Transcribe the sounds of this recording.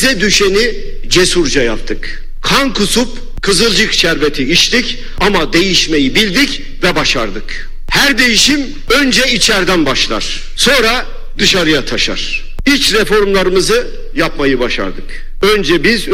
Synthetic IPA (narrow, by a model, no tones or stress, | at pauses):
zɛd̪yʃeni | d͡ʒesuɾd͡ʒajap̚t̪ʰɯk | kʰankʰusup | kʰɯzɯlˠd͡ʒɯkt͡ʃʰæɾbet̪ʰiit͡ʃt̪ic | amad̪e̞jiʃme̞jibilʲd̪ic | vɛbaʃa̰ɾd̪ɯk | hæɾd̪e̞jiʃim | ø̞nd͡ʒɛit͡ʃʰæɾd̪ænbaʃlˠa̰ɾ̥ | so̞nɾa | d̪ɯʃaɾɯjat̪ʰaʃa̰ɾ̥ | it͡ʃɾɛfo̞ɾmlˠaɾɯmɯzɯ | japmajɯbaʃa̰ɾd̪ɯk | ønd͡ʒɛbiz